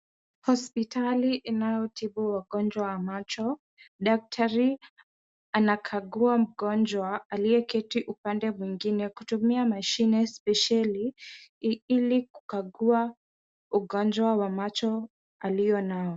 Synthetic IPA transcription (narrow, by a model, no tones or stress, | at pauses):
hɔspitʰaliʔinajɔtiɓuwaɠɔnd͡ʒwawamat͡ʃɔ | ɗak̚tʰaɾi | anakʰaɠuam̩ɠɔnd͡ʒwaaliɛkɛtiʔupandɛmwiŋɡinɛkutumiamaʃinɛspɛʃali | iliku̥kaɠua | uɠɔnd͡ʒwawamat͡ʃɔ | alijɔnaɔ